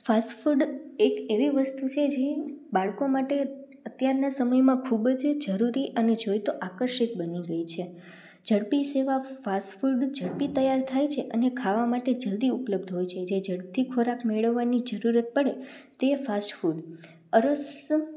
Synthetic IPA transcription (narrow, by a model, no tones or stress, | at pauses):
fasʈfuɖekeʋiʋəst̪ut͡ʃʰed͡ʒebaɭkomaʈe | ət̪jaɾnasəməjmãkʰubd͡ʒd͡ʒəɾuɾiʔəned͡ʒojt̪oʔakəɾʃikbəniɡəit͡ʃʰe | d͡ʒəɽpiseʋafasʈfuɖd͡ʒəɽpit̪əjaɾt̪ʰajt͡ʃʰeʔənekʰaʋamaʈed͡ʒəld̪iupləbd̪ʱɦojt͡ʃʰed͡ʒed͡ʒəɽp̚t̪ʰikʰoɾakmeɭəʋːanid͡ʒəɾuɾət̪̚pəɽet̪efasʈfuɖ | əɾəs